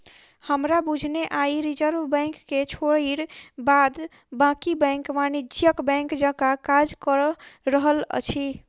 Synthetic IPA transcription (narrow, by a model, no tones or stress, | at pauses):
həmɾabud͡ʒʱneʔaiɾid͡ʒəɾʋbɛ̃ŋkːet͡ʃʰoɽiɽbad̪ | bãkibɛ̃ŋkʋanid͡ʒjəkbɛ̃ŋkd͡ʒəkakad͡ʒkəɾɾəɦələ̰t͡ʃʰi